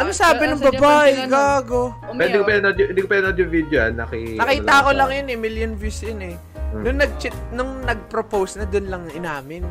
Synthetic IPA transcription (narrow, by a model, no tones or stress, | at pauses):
ʔɐnosaːbɪnʊŋbɐbaʔɛɡaːɡo | ɛd̪ikopɛnɐd̪ʊʔɪnd̪ikopɛnɐd̪jʊŋvid̪joa̰nːɐkinɐkiːt̪ɐkolɐŋjʊnɛmɪljonvjusjɐnɛ | nʊŋnɐɡ̚t͡ʃɪt̪̚nʊŋnɐɡ̚pɾopowsnɐd̪ʊnlɐŋʔɪnaːmɪn